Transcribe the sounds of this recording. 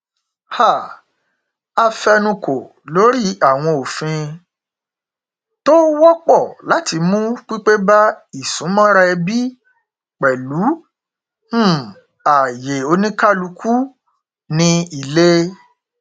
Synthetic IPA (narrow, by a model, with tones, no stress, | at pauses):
ha˦˨ | a˧fɛ˧nũ˧ko˨ | lo˨˦ɾi˦a˦˨w̃ɔ̃˧o˨fĩ˧ | to˦wɔ˦k͡pɔ˦˨la˨˦ti˧mũ˦k͡pi˦k͡pe˦ba˦i˦˨sũ˨˦mã˦ɾa˧ɛ˧bi˦ | k͡pɛ˨lu˨˦˨ | a˨je˨o˧nĩ˦ka˦lu˨˧kʰu˦ | nĩ˧i˨le˦